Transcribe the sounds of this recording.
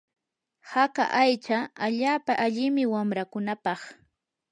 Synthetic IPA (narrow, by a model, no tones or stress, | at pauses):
haka̰ʔajt͡ʃaaʎaːpaʔaʎɪmɪwamɾakʊnapɑχ